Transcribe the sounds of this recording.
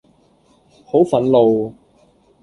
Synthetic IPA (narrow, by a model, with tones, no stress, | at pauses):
ho˨˥wfɐ˨˥nlo˨w